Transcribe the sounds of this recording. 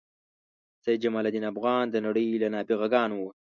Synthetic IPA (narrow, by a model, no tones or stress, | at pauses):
sajd͡ʒamɑlad̪inafɣɑːnd̪ənaɽəjlanɑːbiɣaɡɑːnwu